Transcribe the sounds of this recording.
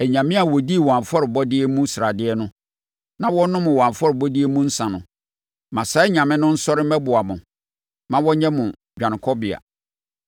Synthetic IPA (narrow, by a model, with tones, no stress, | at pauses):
æ˨ɲã˨mɪ̃˦a˨wɔ˨di˦˨wã˨ɱ˨fɔ˦ɾɪ˨bɔ˦dɪ˦ɛ˦mũ˦sɾa˨dɪ˦ɛ˦nʊ̃˦ | nã˨wɔ˦nʊ̃˦mʊ̃˨wã˨fɔ˦ɾɪ˨bɔ˦di˦ɛ˦mũ˦n̩˦sã˨nʊ̰̃˨ | mã˨sa˦ɪ˦ɲã˨mɪ̃˦nʊ̃˦n̩˦sɔ˦ɾɪ˦m̩˦ɛ˦bʊ˨a˨mʊ̃˨ | mã˦wɔ˦ɲɛ̃˦mʊ̃˨ | d͡ʑᶣã˨n˨kʰɔ˦bɪ˨a̰˨